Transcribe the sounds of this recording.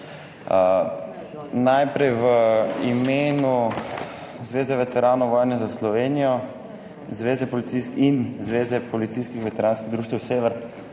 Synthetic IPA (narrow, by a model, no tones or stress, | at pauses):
najpɾɛjʋəimeːnu | zʋeːzɛʋɛt̪ɛɾaːnɔʋɔːjnɛzaslɔʋeːnijɔ | zʋeːzɛpɔlit̪siskinzʋeːzɛpɔlit̪siːskixʋɛt̪ɛɾaːnskiɣd̪ɾuːʃt̪ʋɛwseːʋɛɾ